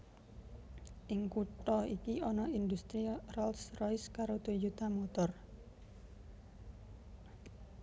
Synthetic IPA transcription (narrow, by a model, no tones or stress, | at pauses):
ʔiŋkuʈɔikiɔnɔind̪ust̪ɾirɔlsrɔjskaɾot̪ud͡ʒut̪amot̪ɔr